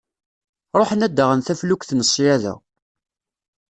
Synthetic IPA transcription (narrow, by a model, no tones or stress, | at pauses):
ɾˤoħənæd̪ːəʁənθæflukʷθnəsˤːjæðæ̰